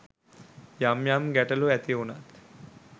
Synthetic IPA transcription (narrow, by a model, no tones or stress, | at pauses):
jamjaːmɡɛʈɐluɛt̪iuna̰t̪